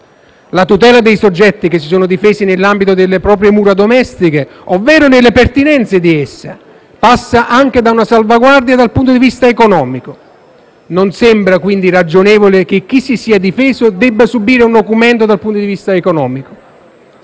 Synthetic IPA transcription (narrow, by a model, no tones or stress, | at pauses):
lat̪ut̪ɛːlad̪ejsod͡ʒːɛt̪ːikes̬ːisoːnʊd̪ifɛːsinelːambit̪od̪elːepɾɔːp̬ɾjemuːɾad̪omɛst̪ikeovːɛːɾʊnelːepert̪inɛnt̪sed̪iesːa̰ | pasːaʔaŋk̟ed̪aunasalvaɡward̪jad̪alpunt̪od̪ivist̪aekonɔːmiko | nonsɛmbɾakwind̪irad͡ʒonɛːvolek̟ek̟ːisisiːad̪ifɛːzʊd̪ɛbːasubiːɾeund̪okumɛnt̪od̪alpunt̪od̪ivist̪aekonɔːmiko̥